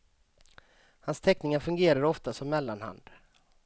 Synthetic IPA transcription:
hanst̪ʰɛknɪŋaɾfɵŋɡeːɾaɾɔft̪asɔmːɛlːanha̰nd̪

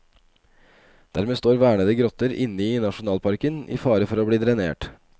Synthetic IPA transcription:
d̪̥æɾmeːst̪oːɾʋæːɳəd̪əɡɾɔt̪əɾʔɪ̰nːəiːnɑʂʊnɑːlpʰɑɾkənḭːfɑːɾəfɔɾoːbɽiːd̪ʰɾɛnḛːʈ

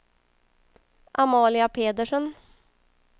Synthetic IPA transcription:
ʔamɑːlɪapʰeːd̪əʂən

